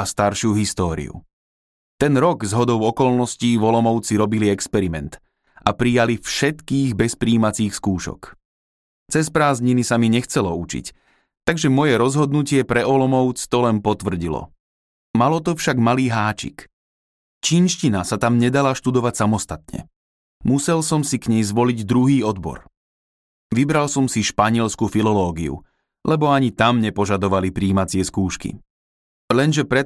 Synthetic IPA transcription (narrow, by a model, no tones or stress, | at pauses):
ast̪aɾʃjuɦist̪ɔːɾḭṵ | t̪ɛnɾɔɡzɦɔd̪ɔʊɔkɔlnɔsciːvɔlɔmɔʊt͡siɾɔbiliɛkspɛɾimɛnt̪ | ʔapɾijalifʃɛt̪kiːɣbɛspɾiːmat͡siːxskuːʃɔ̰k | t͡sɛspɾaːzɲinisamiɲɛxt͡sɛlɔut͡ʃḭc | t̪aɡʒɛmɔjɛɾɔzɦɔd̪nucɪɛpɾɛɔlɔmɔʊt͡st̪ɔlɛnpɔt̪ʋr̩ɟilɔ̰ | malɔt̪ɔfʃaɡmaliːɦaːt͡ʃḭk | t͡ʃiːnʃcinasat̪amɲɛd̪alaʃt̪ud̪ɔʋacsamɔst̪at̪ɲɛ̰ | musɛlsɔmsikɲɛjzʋɔliɟd̪ɾuɦiːɔd̪bɔ̰ɾ | ʋibɾalsɔmsiʃpaɲɪɛlskufilɔlɔːɡiṵ | lʔɛbɔaɲit̪amɲɛpɔʒad̪ɔʋalipɾiːmat͡sɪɛskuːʃkḭ | lɛnʒɛpɾɛ